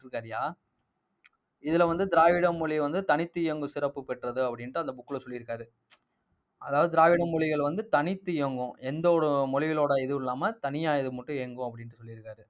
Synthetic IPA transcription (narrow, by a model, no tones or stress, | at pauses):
ɾɯkːaːɾɐjaː | ɪðɪlɐʋɐnd̪ɯd̪ɪɾaːʋɪɽɐmːɔɭɪʋɐnd̪ɯt̪ɐnɪt̪ːɯjoŋɡɯsɪɾɐpːɯpɛʈrɐðɯɐpːɐɽɪnɐːɯɐnd̪ɐbʊkːɯlɐsɔlːɪɾɯkːaːɾɯ | ʔɐðaːʋɐðɯd̪ɾaːʋɪɽɐmːɔɭɪɣɐɭʋɐnd̪ɯt̪ɐnɪt̪ːɯjoːŋɡʊ̃ʔɛnd̪ɐɔɽɯmɔɻɪɣɐloːɽɐɪðɯɪlːaːmɐt̪ɐnɪjaːɐðɯmɐʈːɯ̃jeːŋɡʊ̃ɐpːɐɽɪnʈːɯsɔlːɪɾɯkːaːɾɯ